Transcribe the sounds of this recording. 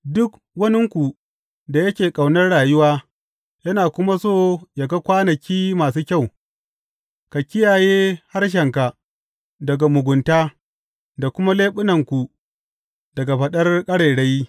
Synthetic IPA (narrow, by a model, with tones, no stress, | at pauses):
dʊ˦k | wɐ˦nɪ˦ŋkʷu˨ | da˨jɐ˦kʲeː˨kʼa˨wnɐ˦rɽaː˨jʊ˦waː˦ | jɐ˦naː˨kʷʊ˦ma˦soː˦˨ja˨ɡa˦kʷaː˦nɐ˨kʲiː˦maː˨suː˦kʲa˦˨w | ka˨kʲɪ˦jaː˨jeː˦ha˦rʃ̬ɛ˨ŋka˨ | dɐ˨ɡa˨mʊ˨ɡʷʊ˨ntaː˦ | da˨kʷʊ˦ma˦leː˦ɓʊ˦nɐ˨ŋkʷu˨ | dɐ˨ɡa˨ɸɐ˨ɗɐ˦rkʼɐ˦ɽeː˨ɽa˦j